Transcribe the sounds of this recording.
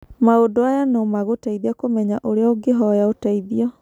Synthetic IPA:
maodoajanɔmaɣotaiðiakomɛɲaʔoɾeaoɡeɦɔjaotaiðiɔ

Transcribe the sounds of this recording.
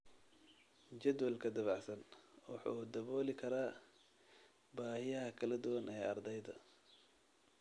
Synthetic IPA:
t͡ʃɐd̪wɐlkʰɐd̪ɐβɑħsɐnwɑħṵːd̪ɐβɔːlɪkʰɐɾaː | baːhɪjɐɦɐkʰɐlɐd̪ʊwɐnɛːɑrd̪ɛjd̪ɐ

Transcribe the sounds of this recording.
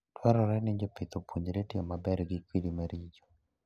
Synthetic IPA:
twɛɾɔɾɛnɪɲd͡ʒopɪt̪opuɲd͡ʒɾetɪɔmabɛɾɡɪkwilimaɾid͡ʒɔ̥

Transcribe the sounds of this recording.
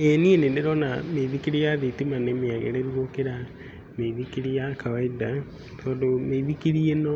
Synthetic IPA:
enienendeɾɔnameiβikiɾijaðetimanemeaɣɛ̰ɾeɾuokeɾa | meiβikiɾijakawaida | t̪ɔːdomeβikiɾienɔ

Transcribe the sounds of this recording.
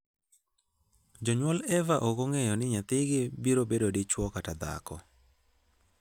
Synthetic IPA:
d͡ʒɔɲwɔlɛvaʔoɡoŋejɔnɪɲat̪ɪɡɪbiɾobedodɪt͡ʃwɔkatad̪a̰kɔ

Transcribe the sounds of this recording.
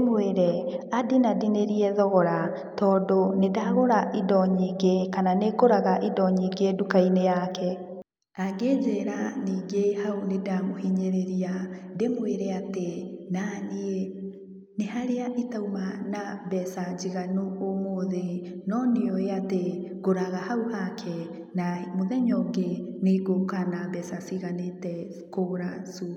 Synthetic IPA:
mweɾɛadinadineɾiɛðɔɣɔɾa | tɔːdonedaɣoɾaʔidɔɲiɡekananekoɾaɣaʔidɔɲiːɡedukainejakɛ | aɡed͡ʑɛːɾaniːɡehaunedamohiɲeɾeɾiademweɾɛatenanee | nehaɾeaʔitaumanabɛsad͡ʒiɣanoomoðenɔneoeateɣ̥oɾaɣahauhakʰɛ | namoðɛɲɔɡeneɡokanabɛsasiɣanetɛ | koɾasu

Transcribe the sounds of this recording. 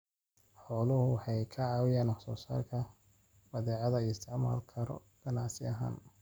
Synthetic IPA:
ħɔːlʊhʊwɑħɑjkʰɐʕɑːwɪjaːnɑħsɔːsa̰ːrkʰɐ | bɐðɛːʕɑðɐɪst̪ʰɪʕma̰ːlkʰɐɾɔ̰ | ɡ̥ɐnaʕsɪɐɦa̰ːn

